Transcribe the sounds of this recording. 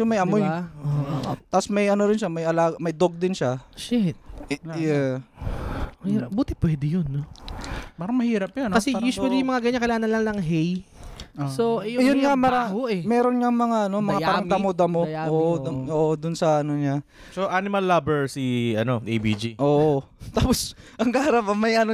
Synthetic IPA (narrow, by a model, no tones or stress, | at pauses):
omɐjʔɐmojot̪apsmɐjʔɐnoɾɪnʃamɐjʔɐlaːɡɐmɐjd̪oɡ̚d̪ɪnʃaʃɛt̪jɛ | mɐhiɾɐp̚buːt̪ɪpwɛd̪ɪjonːopaːɾɐŋmɐhiːɾɐp̚jankɐsɛjuːswɐlijʊŋmɐŋaɡɐɲaŋkɐlaːnɐlɐŋlɐŋɦɛj | sojjʊnŋamaɾaoʔɛmɛːɾonŋɐŋmɐŋaʔɐno̞mɐŋaaːɾɐŋd̪ɐmod̪ɐmooːʔd̪oːʔod̪ʊnsɐʔɐnoɲa | soʔanɪmɐlːabɛɹsiʔɐnod̪ejbid͡ʒiʔoːʔo | t̪aːposʔɐŋɡahɐɾɐbɐmɐjʔɐno